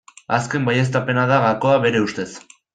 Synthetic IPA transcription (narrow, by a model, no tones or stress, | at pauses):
aske̞mbajes̬t̪ape̞naðaɣako̞aβe̞ɾe̞ust̪e̞s